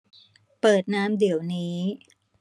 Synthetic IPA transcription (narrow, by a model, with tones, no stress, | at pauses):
pɤː˨˩t̪̚naː˦˥mdi˩˦əwniː˦˥